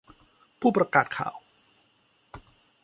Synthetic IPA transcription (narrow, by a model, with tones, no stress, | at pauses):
pʰuː˥˩pɾa˧kaː˨˩t̪̚kʰa̰ː˨˩w